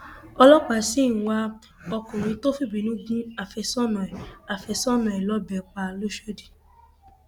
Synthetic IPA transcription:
ɔ˧lɔ˦k͡pa˨si˦n̩˨wa˧ | ɔ˧kũ˨ɾ̃ĩ˧˦to˦fi˦˨bi˨nũ˦ɡũ˦a˨fɛ˧sɔ˦nɔ̃˨ɛ˨a˨fɛ˧sɔ˦nɔ̃˨ɛ˨lɔ˨˦bɛ˨k͡pa˧lo˦ʃe˦di˨

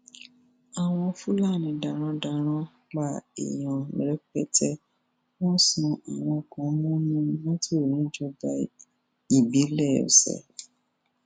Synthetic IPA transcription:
a˨w̃ɔ̃˧fu˦la˦˨nĩ˨˧˦da˨ɾ̃ã˧˦da˧ɾ̃ã˦ | ɡ͡ba˦˨ḭ˨j̃ɔ̃˨mḭ̃˨ɾɛ˨˦k͡pɛ˦tɛ˦ | wɔ̃˦sũ˧a˨w̃ɔ̃˧kɔ̃˨˦mũ˦nũ˦wɔ̃˦ti˦o˦˨nĩ˨˦d͡ʒɔ˧ba˧ | i˨bi˨˦lɛ˦˨o̰˨sɛ̰˨

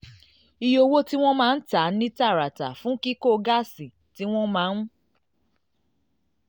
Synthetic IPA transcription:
i˧jo˧wo˦ti˦w̃ɔ̃˦mãː˦˧n̩˦ta˨˦nĩ˦ta˦˨ɾa˨ta˨fũ˨˦ki˦ko˦˧ɡa˦si˨ | ti˦w̃ɔ̃˦mãː˨˦n˦

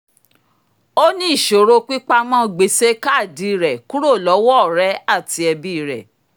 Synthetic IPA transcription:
o˦nĩ˦i˦˨ʃo˨ɾo˧k͡pi˦k͡pa˦mã˦˨ɡ͡be˨˦se˦ka˦˨di˨˦˨ɾɛ˨ku˦ɾo˦˨lɔ˨˦wɔ˦˨ɾɛ˨˦a˦˨ti˧ɛ˧bi˦˨ɾɛ̰˨

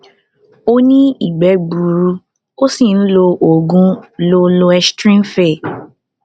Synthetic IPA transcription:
o˦nĩ˦i˨ɡ͡bɛ˨˦ɡ͡bu˨ɾu˧ | o˦si˦˨n̩˦lo˧ʔo˨ɡũ˦lo˧lo˧ɛ˧stɾĩ˦n˦fɛ˦˨

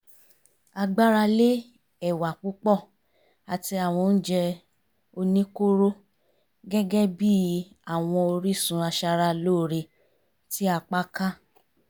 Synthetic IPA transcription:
a˧ɡ͡ba˦ɾa˧le˦ | ɛ˦˨wa˨k͡pu˨˦k͡pɔ˦˨ | a˨ti˧a˨w̃ɔ̃˧n̩˦d͡ʒɛ˧ | o˧nĩ˦ko˦ɾo˦ | ɡɛ˦ɡɛ˦bi˦ | a˨w̃ɔ̃˧o˧ɾi˦sũ˧a˧ʃa˧ɾa˧loː˦˨ɾe˧ | ti˦a˧k͡pa˦ka˦

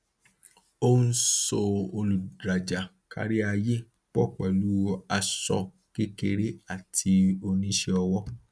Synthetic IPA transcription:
o˦n̩˦so˧o˧lu˨dɾa˨d͡ʒa˨ | ka̰˧ɾi˦a˧je˦ | k͡pɔ˦˨k͡pɛ˨lu˦a˧sɔ̰˧ | ke˦ke˧ɾe˦a˦˨tʰi˧o˧nĩ˦ʃe˧ɔ˧wɔ˦

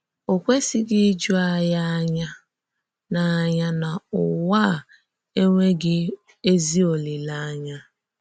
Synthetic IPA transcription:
o˨kʷe˦sɪ˦ɡɪ˦d͡ʒu˦a˦ja˦ɲa˦ | na˨˦ɲa˦na˨ʊ˨wa˦˨ | e˦ŋʷe˦ɡɪ˦ | e˦zi˦o˨lɪ˨la˦ɲa˦

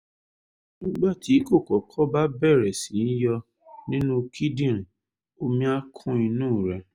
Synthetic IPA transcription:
nĩ˦ɡ͡ba˦˨ti˨˦ko˦˨kɔ˨kʰɔ˦ba˦bɛ˦˨ɾɛ˨sĩ˨˦n̩˦jɔ˧ | nĩ˦nũ˦kʰi˦dĩ˦˨ɾ̃ | o˧mĩ˧a˦kʰũ˦i˧nũː˦˨ɾɛ˧

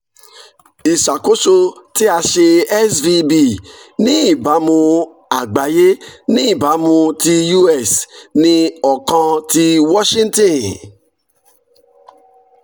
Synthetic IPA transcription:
i˨sa˨ko˦so˧ti˦a˧ʃe˧ɛ˦svi˦bi˦˨nĩ˦˨ba˨˦mũ˧ | a˨ɡ͡ba˨je˦nĩ˦˨ba˨˦mũ˧ti˧ju˦ɛ˦˨snĩ˧ɔ˨kɔ̃˧ti˧wɔ˦ʃĩ˦n˦tɔ̃˨n

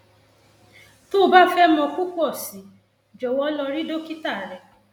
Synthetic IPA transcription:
to˦˨˦ba˦fɛ˦mɔ̃˧ku˦ku˦ɔ˦˨si˨˦ | d͡ʒɔ˨wɔ˦lɔ˧ɾi˦do˦ki˦ta˦˨ɾɛ˨

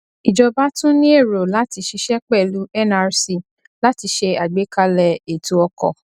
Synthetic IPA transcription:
i˨d͡ʒɔ˧ba˦tũ˦nĩ˦e˦˨ɾo˨la˦ti˧ʃi˧˦ʃɛ˦k͡pɛ˦˨lu˦ɛ˦na˧ɾsi˧˨ | la˨˦ti˧ʃe˧a˨ɡ͡be˨˦ka˧lɛ˧e˨tu˨ɔ˧kɔ̰˨

